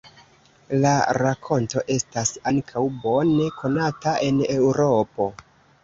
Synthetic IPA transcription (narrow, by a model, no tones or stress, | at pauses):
laɾakʰo̞nto̞ʔe̞stasaŋkʰawbo̞ne̞kʰo̞nataʔe̞ne̞wɾo̞po̞